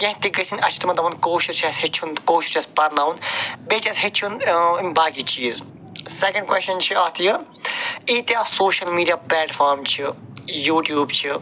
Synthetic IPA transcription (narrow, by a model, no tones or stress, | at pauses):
kɐ̃ɦt̪iɡəsʰinʲɐt͡ʃʰit̪imɐnt̪ɐʋɐnkoːʃiɾt͡ʃʰɐsɦet͡ʃʰunkoːʃiɾt͡ʃʰɐspɐɾnaːunbeːt͡ʃʰɐsʲɦet͡ʃʰunʲbaːkit͡ʃiːz | sekɐ̃ɳɖkwest͡ʃɐnt͡ʃʰiɐt̪ʰjɨ | iːt̪jaːsoːʃɐlmiːɖijaːplɛːʈfʰaːɾmt͡ʃʰijuːʈjuːbt͡ʃʰi